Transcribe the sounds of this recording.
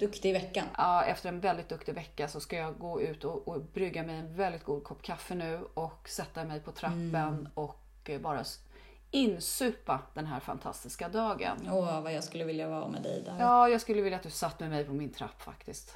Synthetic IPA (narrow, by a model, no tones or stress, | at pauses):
d̪̥ɵkt̪ɪvɛkːanɑːɛft̪əɾɛnvɛld̪ɪt̪̚d̪ɵkt̪ɪvɛkːasɔskajɑːɡoːʉ̟ːt̪ɔɔbɾʏɡːamɛjɛnvɛld̪ɪt̪ɡuːd̪̚kʰɔpːkʰafːənʉ̟ːɔksɛt̪ːamɛjpʰɔt̪ʰɾapːənɔk | bɑːɾa | ɪnːsʉ̟ːpad̪̥ɛnɦæːɾfa̰nt̪ʰa̰st̪ɪskad̪ɑːɡə̰nɔːvajɑɡskɵlːəvɪljavɑ̰ːɾamɛ̰d̪ɛ̰jd̪ɔjɑːjɑːɡskɵlːəvɪljat̪̚d̪ɵsat̪ːmɛmɛjpʰɔmɪnt̪ʰɾa̰pːfa̰kt̪ɪst̪